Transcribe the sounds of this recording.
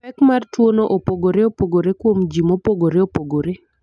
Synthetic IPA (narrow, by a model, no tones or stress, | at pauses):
ɛkmartwonoʔopoɡoɾeopoɡoɾekwomd͡ʒimopoɡoɾeopoɡoɾe